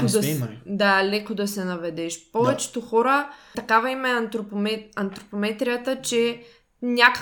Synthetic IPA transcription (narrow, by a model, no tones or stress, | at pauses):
kod̪ɐd̪alɛkod̪ɐsɛnɐvɛd̪ɛʃpɔvɛt͡ʃɛ̥t̪oxɔɾət̪ɐkavɐimɛnt̪ɾopmɛɐnt̪ɾopomɛt̪ɾijət̪ət͡ʃɛ | nʲakə